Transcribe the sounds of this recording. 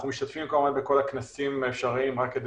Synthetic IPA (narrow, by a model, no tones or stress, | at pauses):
numiʃt̪at̪fimkolemanbeko̞laknasimefʃaʁiimʁakːed̪